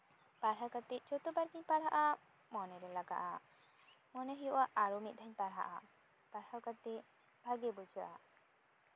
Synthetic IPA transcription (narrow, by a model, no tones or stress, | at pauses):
paɽɦakat̪et͡ʃot̪obaɾɡiɲpaɽɦaʔa | mɔneɾelaɡa̰ʔa̰ | mɔneɦɔjɔʔaʔaɾomit̪̚d̪ʱaɲpaɽɦa̰ʔa̰ | paɽhawkat̪e | bʱaɡebud͡ʒʱaʔa̰